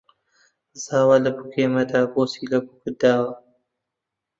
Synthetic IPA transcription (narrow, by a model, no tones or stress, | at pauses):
zaːwalɐpukeːmɐd̪aboːsilabukud̪awa